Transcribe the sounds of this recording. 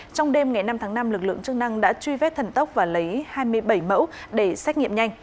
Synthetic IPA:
t͡ɕɔ˧wŋ͡mɗe˧mŋa˨˩jna˧mt̪ʰaː˨˦ŋna˧mlɨ˨˩k̚lɨ̰˧˨əŋt͡ɕɨ˧əŋ̚na˧ŋɗa̰ː˧˥t͡ɕwi˧vɛ˦˥t̚t̪ʰə˨˩nt̪ə˦˥wk͡p̚vaː˨˩lə˨˦jhaː˧jmɨ˧əjɓə˧˩jmə̰˧˥w | ɗe˧˩sɛ˦˥ŋḭ˧˨əmɲa˧jŋ̟

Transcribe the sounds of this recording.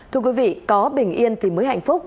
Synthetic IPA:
t̪ʰɨ˧əkwi˨˦vḭ˧˨kɔ˨˦ɓï˨˩ŋ̟ʔi˧ənt̪ʰi˨˩məː˨˦jɦa̰˧˨jŋ̟fʊ˦˥k͡p̚

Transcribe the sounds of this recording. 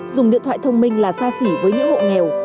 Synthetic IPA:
zʊ˨˩ŋ͡mɗḭ˧˨t̪ʰwa̰ː˧˨jt̪ʰə˧wŋ͡mmï˧ŋ̟laː˨˩saː˧si˧˩vəː˨˦jɲɨ̰˧˥ŋho̰˧˨ŋɛ˨˩w

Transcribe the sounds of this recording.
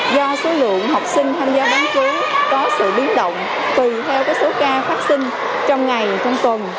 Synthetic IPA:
zɔ˧so˨˦lɨ̰˧˨əŋɦa˨˩wk͡p̚sï˧ŋ̟t̪ʰaː˧mzaː˧˦ɓaː˨˦nkɨ˨˦kɔ˨˦sɨ̰˧˨ɓi˨˦ənɗə̰˧˨wŋ͡m | t̪i˨˩t̪ʰɛ˧wkaː˨˦˥k̚so˨˦kaː˧faː˦˥t̚sï˧ŋ̟ | t͡ɕɔ˧wŋ͡mŋa˨˩jt͡ɕɔ˧wŋ͡mt̪wə˨˩n

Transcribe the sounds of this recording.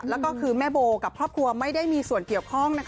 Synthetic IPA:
lɛ˦˥wkɔː˥˩kʰɯː˧mɛː˥˩boː˧ka˨˩p̚kʰɾɔː˥˩p̚kʰɾu˧ɐma˥˩jda˥˩jmiː˧su˨˩ənki˨˩əwkʰɔ˥˩ŋna˦˥kʰ

